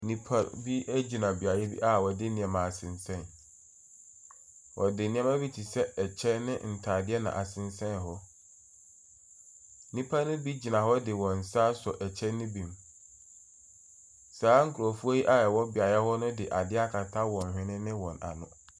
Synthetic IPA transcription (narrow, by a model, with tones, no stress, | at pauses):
nĩ˦pʰa˦˨bi˦æ˦d͡ʑi˨nã˨bi˨a˨jɛ˦bḭ˦ʔa˦˨wɔ˨dɪ˦nĩ˨ã˨mã˨a˨sɪ̃˨nsɛ̃˦˨n | wʔɔ̰˨dɪ˨nɪ̃˦ã˦mã˦bi˦tʰi˨sɛ˦ɛ˨t͡ɕʰɛ˦nɪ̃˦n̩˨tʰaː˨dɪ˦ɛ˦nã̰˨ʔa˨sɪ̃˨n˦sɛ̃˦n˨ɦɔ˦ | nĩ˦pʰa˦nʊ̃˦bi˦d͡ʑi˨nã˨ɦɔ˦dɪ˨wɔ̃˨n̩˨saː˦sɔ˨ʔɛ˨t͡ɕʰɛ˦nɪ̃˦bĩ˨m | saː˨˦ŋ̩˨kʰu˨ɾɔ˨fu˦o˦ji˦ʔa˦ɛ˨wɔ˦bɪ˨a˨jɛ˦hɔ˦nʊ̃˦dɪ˨ʔa˨dɪ˦a˦kʰa˨tʰa˦wɔ̃˨n˨hᶣɪ̃˦nɪ̃˦nɪ̃˦wɔ̃˨na̰˨nʊ̰̃˨